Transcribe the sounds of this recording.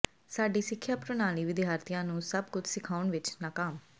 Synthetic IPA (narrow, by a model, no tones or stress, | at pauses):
saːɖiːsɪkʰːjaːpɾʊnaːliːʋɪd̪ɪɦaːɾt̪ijãːnũːsəb̚kʊt͡ʃʰsɪkʰaːʊnʋɪt͡ʃnaːkaːm